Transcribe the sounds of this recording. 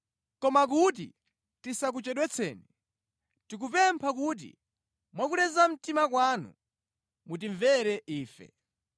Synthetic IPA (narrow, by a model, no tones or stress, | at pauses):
kɔmak̬ut̬ḭ | tisak̬ut͡ʃɛɗwɛt͡sʰɛ̰ːnɛ | tik̬upɛmpʰak̬ut̬ḭ | mwakulɛzam̩timakwaːnṵ | mut̬iɱvɛɾɛʔiːfɛ̰